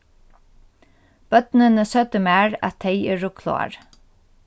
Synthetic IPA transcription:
b̥œt̪nənəsœt̪əmæːɹæ̰t̪ʰːeɪeːɹʊkʰlo̰ːa̰ɹ

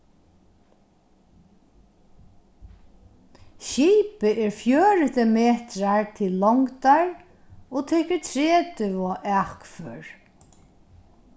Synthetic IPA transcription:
ʃiːpɪʔɛɹfjœːɹɪt̪əmeːt̪ɾaɹt̪ʰɪlːɔŋkt̪aɹ | ɔt̪ʰɛːkəɹt̪ʰɾɛːt̪ʏvɔʔæhkføːɹ

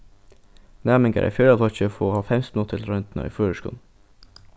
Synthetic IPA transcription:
næːmɪŋɡə̰ɾʔæ̰fjœːlɑt̪ɔçəfoːhɑːfɛmsʊt̪ʰəlɾœʏnt̪n̩ɑ̰ḭːføːɾəʃkṵːn̩

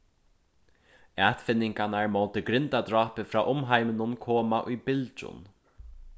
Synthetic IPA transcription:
ɛːt̪fɪnːɪŋkanaɹmowt̪ɪɡɾɪnt̪ad̪ɾɑːpɪfɾaːʔʊmɦajmɪnʊnkʰoːmaʔʊjbɪlt͡ʃʊ̰n

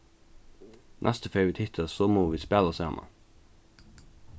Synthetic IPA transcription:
nʔæ̰st̪əfœʏʋiːt̪ʰɪt̪ʰəsomoːʋiːspɛləseɑ̰mʔə̰

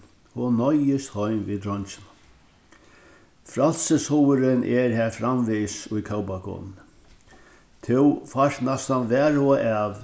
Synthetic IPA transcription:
hɔnːɔjɪst̪hɔjmvʋiːd̪ɾɔɲt͡ʃɪna | fɾal̥səshɔwəɾɪnʔɛɾɦæːɾfɾamʋiːsʊjkʰawpakʰɔ̰ːnn | t̪ʰɪwfaʂt̪nɛst̪anʋɛːɾɔʔaːʋ

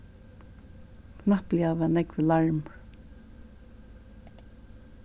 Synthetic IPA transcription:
kʰnahpljavanɛkʋɪlaɹm

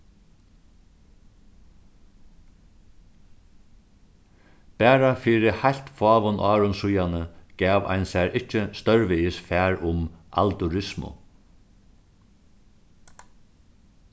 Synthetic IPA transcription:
pæːɾafiːɾɪhajlt̪fɑːʋʊnʔɑːɾʊnsʊjanəɡ̥ɛːʋa̰jnsæɹʔɪt͡ʃːəst̪œɹʋɪɪsfæːɹʊma̰lt̪ʊɾɪsmʊ̰

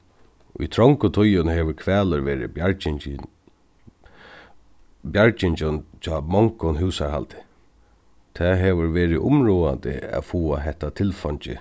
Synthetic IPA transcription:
ʊ̰jt̪ʰɾɔŋkʊt̪ʰʊjʊnhɛːʋəɾkʰʋɛːləɾʋɛːɾɪ̰ | bjaɹt͡ʃɪnt͡ʃʊnt͡ʃɔːmɔŋkɔnɦʉwsaɹha̰lt̪ɪ̥ | t̪ʰɛːɦɛːʋʊɹʋɛːɾɪʔʊmɹuːant̪ɪ̰a̰fuːaɦɛht̪ːat̪ʰɪlfɔɲt͡ʃɪ̰

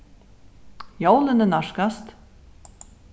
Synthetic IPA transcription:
jowlɪnɪnaʂkast̪

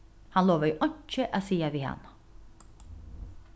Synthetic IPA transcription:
hɑnloːʋəʔɔɲt͡ʃəʔasiːaʋiːhɑ̰n

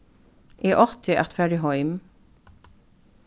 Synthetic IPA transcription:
ʔiːʔɔʁt̪ʰɪʔæ̰ʁt̪fæɖɪɦɔʏm

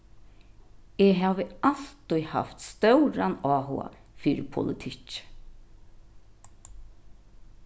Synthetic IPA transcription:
eːɦaːʋəal̥t̪ʊjha̰ft̪st̪œwɾanaːɦʊ̰a̰fiːɾɪpʰʊ̰lɪt̪ʰɪc

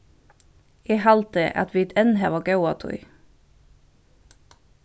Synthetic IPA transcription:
eːhɑlt̪əʔɑ̰t̪ʋiːt̪ɛnhæʋɑːɡɑʊɑ̰ːt̪ʰʊ̰ḭ

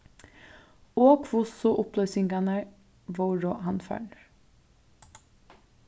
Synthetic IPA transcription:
oːkʰʋʊsʊʔʊplœʏsɪŋɡɑnə | ʋoːɾoːhɑnfæ̰ːɳ

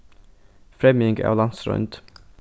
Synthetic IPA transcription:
fɾɛmɪŋɡæ̰ːʋlɑnsɾɔ̰nd̪

